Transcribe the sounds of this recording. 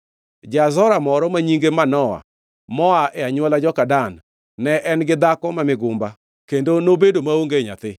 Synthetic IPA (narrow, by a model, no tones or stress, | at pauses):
d͡ʒazɔɾamɔɾɔmaɲiŋɡemanɔa̰ | mɔaʔɛaɲwɔlad͡ʒɔkadanː | ɛʔɛnɡɪd̪akɔmamɪɡʊmba | kendonobedomaoŋɡeɲa̰t̪ɪ